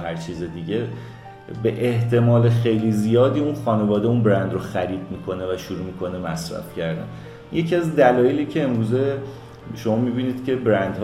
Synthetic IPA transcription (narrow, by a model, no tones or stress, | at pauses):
ɦæɾt͡ʃʰiːzid̪iɟe | be̞ʔeht̪ʰe̞mɒːlexe̞jlizijɒːd̪iːunxɒːne̞vɒːd̪eunbɾænd̪ɾoxæɾiːd̪̚miːkʰo̞ne̞væʃuɾumikʰo̞ne̞mæsɾæ̰fcʰæɾd̪æ̰n | je̞cʰiæzd̪ælɒːjeliːcʰe̞ːmɾuːze | ʃo̞mɒːmibiːniːd̪̥cʰʲe̞bɾænd̪h